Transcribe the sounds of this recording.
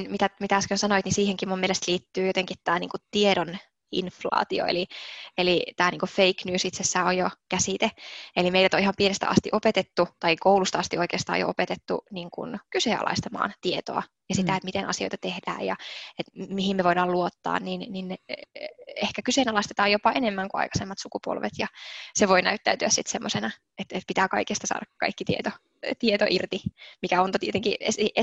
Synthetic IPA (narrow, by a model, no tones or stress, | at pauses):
nmit̪æmit̪æɑskønsɑnoit̪nisiːheŋkimumːielest̪liːt̪ːyːjot̪eŋkit̪t̪æːnḭːŋkutt̪ieɾon | ḭnflɑ̰ːt̪io̰ḛlielit̪æːniːŋkuffeiknyːsit̪sesːæːojokæsit̪eelimeiɾæt̪oihɑmpienest̪æ̰ɑ̰st̪iʔopet̪et̪ːut̪ɑikoulust̪ɑɑst̪ioikeːst̪ɑ̰ːjo̰ʔo̰pet̪et̪ːṵniːŋkṵnkyseɑ̰lɑ̰ist̪ɑmɑ̰ːnt̪iet̪o̰ɑ̰ | jɑsit̪æet̪mit̪enɑ̰sio̰jt̪ɑt̪ehd̥æ̰ːjjɑ̰et̪miɦimmeʋoidɑːluot̪ːɑ̰ːnninnin | ehkækyseːnɑlɑist̪et̪ɑːjopɑʔenemːæŋkuɑ̰ikɑ̥semːɑt̪sukupo̰lʋḛt̪jɑseʋoinæ̰yt̪ːæyt̪yæssit̪semːosenɑ | et̪et̪̚pit̪æːkɑikest̪ɑsɑ̰ːdʔɑkkɑ̰ikːit̪iet̪o | t̪iet̪o̰ʔirt̪imikæont̪t̪iet̪eŋkiesiʔe